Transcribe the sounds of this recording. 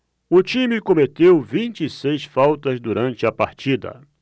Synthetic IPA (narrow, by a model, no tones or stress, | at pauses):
ʊt͡ʃĩmɪkõmet̪ewvĩnt͡ʃisejsfawt̪ɐzd̪uɾɐ̃nt͡ʃɪɐpaɾt͡ʃid̪ɐ̰